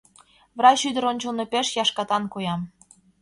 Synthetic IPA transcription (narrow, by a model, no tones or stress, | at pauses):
vrɑt͡ɕyd̪ə̆ɾonʲt͡ɕolnɤ̆peʃjɑʃkɑt̪ɑnkojɑm